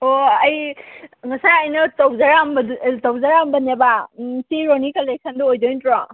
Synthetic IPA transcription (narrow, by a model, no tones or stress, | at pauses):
oɐjŋasajɐjnɯtowzaɾambtɔwzaɾambɐnebasʰiɾonikalek̚sʰɐnduojd͡ʒojntɾɔ